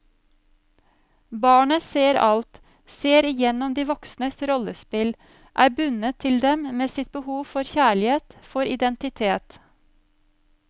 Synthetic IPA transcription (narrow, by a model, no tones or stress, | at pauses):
bɑːɳəseːɾɑlt̪ | seːɾɪjɛnɔmd̪iːʋɔksnəsɾɔləspɪl | ʔæːbʉnət̪ʰɪld̪ɛmmeːsɪt̪̚bəhuːfɔɾçæːɭɪheːt̪fɔɾɪd̪ɛnt̪ɪt̪ʰeːt̪